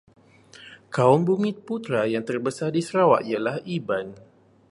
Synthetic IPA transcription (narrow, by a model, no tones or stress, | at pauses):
kaʊmbumĩt̪̚put̪ɾajaŋt̪ərbəsardisəɾawaʔialahiban